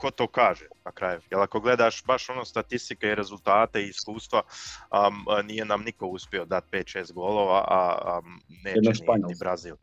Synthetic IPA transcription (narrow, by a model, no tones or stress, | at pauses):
kot̪oːkaːʒenakɾaːjujelˠako̞ɡle̞d̪aːʃbaʃo̞noːst̪at̪ist̪ikeiɾe̞zult̪aːt̪e̞iːskuːst̪ʋa | niːje̞namniko̞uspio̞d̪at̪̚pe̞ːt̪ʃe̞ːst̪̚ɡo̞ːloːʋaʔa | neːeeniaɲnibɾaziːlˠ